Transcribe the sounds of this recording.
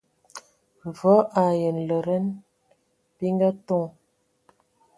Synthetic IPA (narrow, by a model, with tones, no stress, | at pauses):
ɱ˨vɔ˨˦ʔa˨jə˨nlə˨ɾə˦n | pi˦ŋɡa˦tɔ˦ŋ